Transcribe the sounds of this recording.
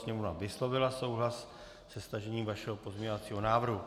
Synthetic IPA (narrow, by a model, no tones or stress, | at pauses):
sɲɛmovnavɪslo̞vɪlaso̞wɦlas | sɛst̪aʒɛɲiːmvaʃɛɦopo̞zmɲɛɲovat͡siːɦonaːvr̩ɦu